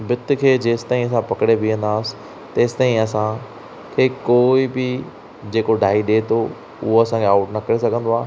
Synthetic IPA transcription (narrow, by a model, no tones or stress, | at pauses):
bɪt̪ʊ̆kʰeːd͡ʑeːsɪ̥t̪aːĩɐs̬ãpɐkɽebiə̃nd̪aːsɪ̥ | t̪eːsɪ̥t̪aːĩɐsã | kʰeːkoːibɪ | d͡ʑeːkoɖʱaːiɗet̪ʰo | ʊɦoɐsãkʰeaːʊʈnɐkɐɾes̬ɐɡʱə̃nd̪oaː